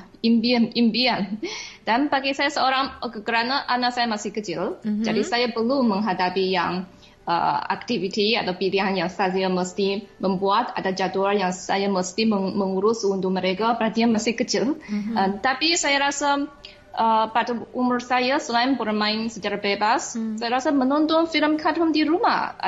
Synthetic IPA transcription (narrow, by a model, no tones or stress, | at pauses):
imbianimbiand̥anbaɡisajasəoɾaŋkəkəɾanaʔanasajamasɪhkət͡ʃɪld͡ʒadisajapərluməŋɦadapijaŋ | ʔə̰a̰k̚t̪ivit̪ia̰t̪awpiliɦanjaŋsajaməst̪iməmbuat̪a̰dad͡ʒaduarjaŋsa̰jaməst̪iməməŋuɾʊsunduməɾekabəɾat̪ianmasɪhkət͡ʃɪlət̪apisajaɾasa | ʔəpadaumʊrsajasəlaɪnbərmaɪnsət͡ʃaɾabebasːajaɾasamənɔnt̪ɔnfiləmkʰadɦʊmdiɾuma̰h